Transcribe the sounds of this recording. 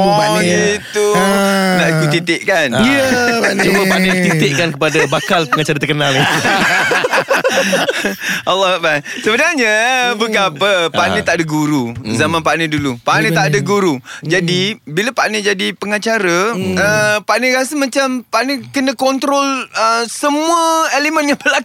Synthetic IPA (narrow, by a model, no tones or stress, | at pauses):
ɔɡit̪unaʔikut̪it̪ɪʔkan | t͡ʃuməpaʔnət̪it̪ɪʔkankəpadabakalpəŋat͡ʃaɾət̪ərkənali | ʔalːɔhak̚basəbənarɲəbəɡaapəpaʔnət̪aʔadaɡuɾuzamãnpaʔnədulupaʔnət̪aʔadaɡuɾud͡ʒadibiləpaʔnəd͡ʒadipəŋat͡ʃaɾəəpaʔnəɾasəmãt͡ʃampaʔnəkənə̃kɔnt̪ɾɔləsəmuəelemə̃njaŋbəlaku